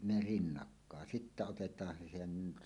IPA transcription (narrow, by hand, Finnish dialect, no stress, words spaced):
ne rinːɑkːɑˑen sitːæ otetˑɑːn se sen